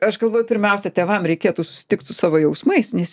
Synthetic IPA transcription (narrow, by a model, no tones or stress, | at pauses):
ɐʃɡɐlˠʋoːjʊpʲɪɾʲmʲɛʊsʲɛt̪ʲeːʋɐmɾʲɛɪkʲeːt̪uːsʊ̥sʲɪ̥t̪ʲɪkt̪sʊsɑːʋoːjɛʊsmɐɪsnʲɛsʲ